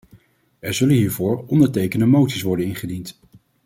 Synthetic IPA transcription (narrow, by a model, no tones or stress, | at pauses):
ɛɹzɵlənɦiːɹvʊːɹɔndəɹtejkəndəmowtsisʋɔɹdənɪnχədint